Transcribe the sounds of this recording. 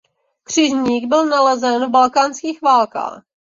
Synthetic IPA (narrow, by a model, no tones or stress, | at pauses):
kr̝̥ɪʒɲiːɡbɪlnalɛzɛnvbalkaːnskiːxvaːlka̰ːx